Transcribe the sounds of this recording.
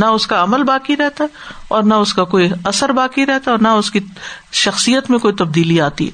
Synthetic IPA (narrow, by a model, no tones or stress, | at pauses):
nɐʊskaɐməlbaːkiɾɛɦt̪aɛ | ɔːɾnaʊskakoːiɐsəɾbaːkiɾɛɦt̪aɔːɾnɐʊski | ʃɐxsijət̪mẽkoːit̪ɐb̚d̪iːliaːt̪ḭɦɛ̰